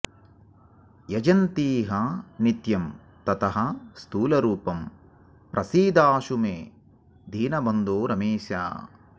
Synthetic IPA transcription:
jɐd͡ʒɐnt̪iːɦɐnit̪jɐm | t̪ɐt̪ɐɦɐst̪uːlɐɾuːpɐm | pɾʔɐsiːd̪aːʃumeː | d̪ʱiːnɐbɐnd̪oːɾɐmeːʃja̰ː

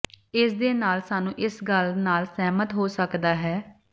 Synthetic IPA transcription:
ɪsd̪eːnaːlsaːnũːʔɪsɡəlnaːlsɛːmət̪ɦoːsəkd̪aːɦɛː

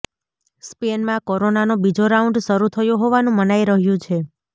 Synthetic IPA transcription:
spenmãkoɾonanobid͡ʒoɾaũɳɖʃəɾut̪ʰəjoɦoʋanũmənaiɾəɦjũt͡ʃʰe

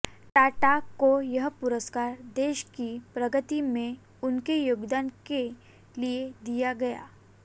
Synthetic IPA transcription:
ʈaːʈakojɐɦpʊɾəskaːɾd̪eːʃkipɾəɡət̪imẽ | ʊnkejʊɡd̪anke | lied̪ijaɡɐja̰ː

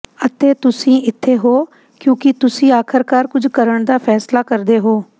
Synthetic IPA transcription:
ət̪eːt̪ʊsĩːɪt̪ʰːeːɦoː | kjõːkɪt̪ʊsĩːaːkʰɪɾkaːɾkʊd͡ʒʱkəɾəɳ̃d̪aːpʰɛːslaːkəɾd̪eːɦoː

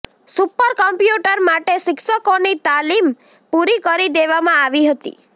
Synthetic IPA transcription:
supɔɾkɔmpjuʈɔɾmaʈesiksɔkɔnit̪alim | puɾikɔɾid̪eβamãːʋiɦɔt̪ḭ

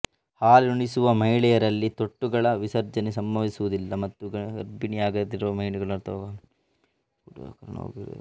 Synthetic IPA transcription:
haːlɾuɳisuʋɐmɐjiɭɛjɐɾɐlːit̪oʈːuɡɐɭɐʋisɐɾd͡ʒɐnesɐmbɐʋisuʋud̪ilːɐmɐt̪ːuɡɐɐɾbinijaːɡɐd̪iɾuʋɐmɐjɭuɡɐɭɐɾt̪ɐɐ | kɐɾɐno̰ːɡiɾ̰

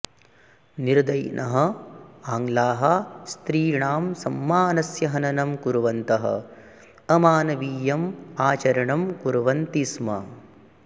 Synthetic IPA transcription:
niɾd̪ɐjnʔɐɦɐ̆aːŋlaːɦɐst̪ɾiːɳaːmsɐmːaːnɐsjɐɦɐnɐnɐmkuɾʋɐnt̪ɐɦɐ̰ | ɐmaːnɐʋiːjɐmaːt͡ʃɐɾɐɳɐmkuɾʋɐnt̪ismɐ̰

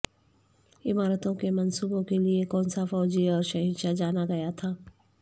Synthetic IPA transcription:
ɪmaːɾət̪õkemɐnsuːbõkeliekɔːnsafɔːd͡ʒiɔːɾʃɐɦĩːnʃad͡ʒaːnaɡɐjat̪ʰaː

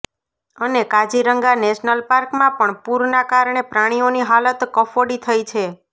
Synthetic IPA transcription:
ənekad͡ʒiɾəŋɡaneʃnəlpaɾkmãpəɳpuɾnakaɾɳepɾaɽ̃ioniɦalət̪kəfoɽit̪ʰəjt͡ʃʰe

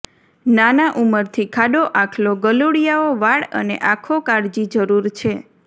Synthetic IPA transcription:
nanaʔuməɾt̪ʰikʰaɖoʔakʰloɡəloɽijaoʋaɭə̰nḛʔakʰokaɽd͡ʒid͡ʒəɾuɾt͡ʃʰe

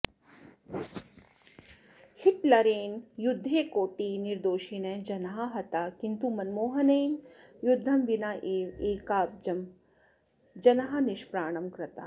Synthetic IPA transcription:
hiʈlɐɾeːnjʊd̪ʱːeːkoːʈiːniɾd̪oːʃineːd͡ʒɐnɐɦaɦɐt̪aːkint̪umɐnmoːɦɐneːn | jʊd̪ʱːɐmbinaʔeːeːkaːp̚d͡ʒɐm | d͡ʒɐnɐɦɐniʃpɾaːɽ̃ɐmkɾɐt̪a̰ː

